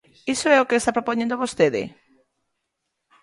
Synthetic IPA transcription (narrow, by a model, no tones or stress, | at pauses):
isoɛokeest̪apɾopoɲẽnd̪oβost̪eðɪ̰